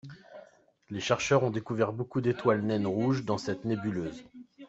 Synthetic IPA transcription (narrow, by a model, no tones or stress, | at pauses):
leʃɛʁʃœʁɔ̃d̪ekuvɛʁbokud̪et̪walnɛnʁuʒd̪ɑ̃sɛt̪nebyløːz